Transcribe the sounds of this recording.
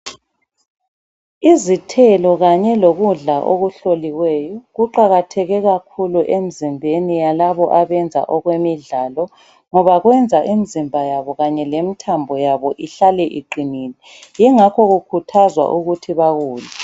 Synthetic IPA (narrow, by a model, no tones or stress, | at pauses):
izitʰɛlɔɣaɲɛloɣuɮaʔoɣuɬoliwɛːjɔɣuǃaɣatʰɛɣɛɣakʰuluʔemizimbʱenijalaβɔʔaβɛnd͡zʱa̰ʔɔɣwemiɮaːlɔ | ŋɔβaɣwɛnd͡zʱaʔimizimbʱajaβɔɣaɲɛlemitʰambʱɔjaβɔʔiɬalɛʔiǃiniːlɛ | jɛŋakʰɔɣukʰutʰazwa̰ʔuɣutʰiβaɣuːla